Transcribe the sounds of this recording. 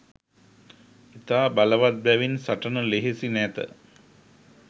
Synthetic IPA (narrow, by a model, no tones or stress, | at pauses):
it̪aːbaləʋat̪̚bæʋinsaʈənəleɦesinæt̪ə̰